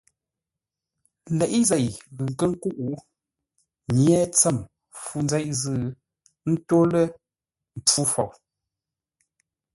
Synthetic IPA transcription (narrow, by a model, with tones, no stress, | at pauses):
lɛ˨ʔi˦zɛ˨jɣʉ˨ŋ̩˨kə˦ŋ̩˦ku˦ʔu˨˦ | ɲjɛ˦t͡sə˦˨m | fu˦˨nzɛ˦ʔzɨ˦˨ | n̩˦to˦lə˦ | m̩˨p͡fu˦fo̰˨w